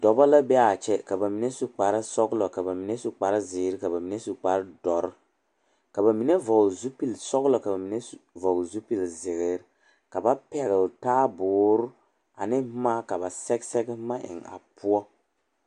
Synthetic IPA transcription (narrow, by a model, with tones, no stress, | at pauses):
dɔ˨ba˦la˦bɛ˦a˨t͡ʃɛ˦ka˨ba˨mi˨nɛ˦su˨k͡pa˨ɾɪ˦sɔ˦ɡlɔ˨ka˨ba˨mi˨nɛ˦su˨k͡pa˨ɾɪ˦zɪː˨ɾɪ˦ka˨ba˨mi˨nɛ˦su˨k͡pa˨ɾɪ˦dɔ˨ɾ | ka˨ba˨mi˨nɛ˦vɔ˨ɡzu˦pi˦˨lsɔ˦ɣlɔ˨ka˨ba˨mi˨nɛ˦˨vɔ˨ɡzu˦pi˨lzɪ˨ɣɪ˦ɾ | ka˨ba˦pɛ˨ɣɪ˨ltaː˦bʊː˨˦ɾʊ˦ | a̰˨nɪ˦maː˦ka˨ba˨sɛ˦ɡsɛ˦ɡma˦ʔɪ̰˨ŋa̰˨pʰʊ˦ɔ˦